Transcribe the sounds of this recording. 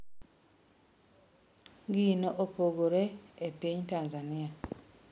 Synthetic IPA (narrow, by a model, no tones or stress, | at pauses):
ɡinoʔopoɡoɾeepeɲtaːnzania